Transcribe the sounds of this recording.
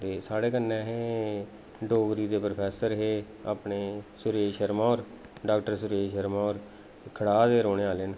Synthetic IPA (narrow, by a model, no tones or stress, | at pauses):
t̪eːsaːɽeːkənːɛ̃ːɦeː | ɖoːɡɾiːd̪eːpɾəpʰɛːsəɾɦeː | aːpneːsʊɾeːʃəɾmãːɔːɾ | ɖaːk̚ʈəɾsʊɾeːʃəɾmãːoːɾ | kʰəɽaːd̪eːɾoːɽeaːlɪn